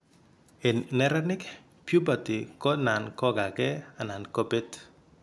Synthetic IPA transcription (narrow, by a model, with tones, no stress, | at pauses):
e˨nnɛ˦ɾa˦nɪ˦k | pju˦ba˨tɪ˨kɔ˦na˨nkɔ˦ɡa˨ɡɛ˦a˨na˨nko˦be˦t